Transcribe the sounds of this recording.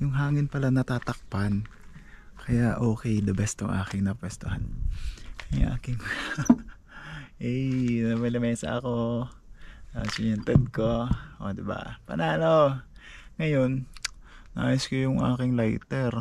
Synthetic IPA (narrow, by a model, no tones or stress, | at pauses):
jʊŋɦaːŋɪnpɐlanɐt̪aːt̪ɐk̚pan | kɐjaʔo̞ːkɛjd̪ɐbɐst̪o̰ŋʔa̰ːkɪŋnɐpwɛst̪oha̰n | jʊŋʔa̰ːkɪŋk | ʔɛjnɐmɐlɐmɛːsɐ̰ʔɐko | asɪɛnt̪ɛd̪̚koʔo̰d̪ɪba̰pɐ̰naːno | ŋɐjo̞nː | ɐʔaːjʊskojʊŋʔa̰ːkɪŋlajt̪ɛɾ